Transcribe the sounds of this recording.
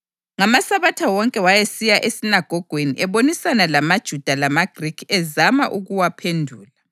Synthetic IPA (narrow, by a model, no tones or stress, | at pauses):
ŋamasaβatʰawɔŋkʼɛwajesijaʔesinaɡ̥ʱɔɡ̥ʱweniʔɛβonisanalamad̥ʒ̥ʱud̥ʱalamaɡ̥ʱrikʰɛzamaʔuɣuwapʰendʱuːla